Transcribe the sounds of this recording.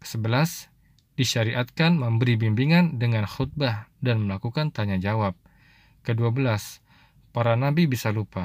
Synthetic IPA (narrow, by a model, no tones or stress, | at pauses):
səbəlas | d̥iʃaɾiʔat̪̚kanməmbəɾibimbiŋandəŋanxut̪̚bahdanməlakukant̪aɲad͡ʒawap̚ | kəduabəlas | paɾanabibisalupa